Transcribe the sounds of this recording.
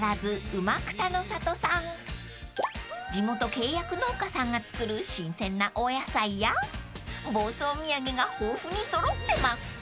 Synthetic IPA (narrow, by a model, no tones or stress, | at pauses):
ɾazɨɯmakɯ̟̥t̪ano̞sat̪o̞sãŋ | d͡ʑimo̞t̪o̞ke̞ːjakɯ̟no̞ːkasãŋɡat͡sɨ̥kɯ̟ɾɯ̟ɕĩɰ̃sẽ̞nːaʔojasaija | bo̞ːso̞ːmʲiaɡe̞ɡahoːɸɯ̟ɲ̟iso̞ɾo̞t̪ːe̞masɨ̥